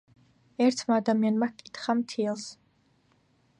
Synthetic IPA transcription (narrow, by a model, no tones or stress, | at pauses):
ɛɾt̪ʰmaːd̪amianmakʼi̥t̪χamt̪ʰiɛlˠs